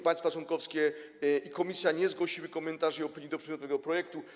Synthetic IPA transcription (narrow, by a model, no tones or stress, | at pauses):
paɲj̃st̪fat͡ʂwɔnkɔfskʲɛ | ikɔmʲisʲjaɲɛzɡwɔɕiwɘkɔmɛnt̪aʐiɔpʲiɲid̪ɔpʂɛd̪ʲjɔt̪uvɛɡɔpɾɔjɛkt̪u